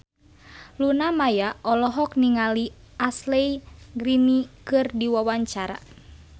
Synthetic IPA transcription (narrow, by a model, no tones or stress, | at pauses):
lunamajaʔɔlɔɦɔk̚niŋaliaslɛiɡɾinikɨrdiwawaɲt͡ʃaɾa̰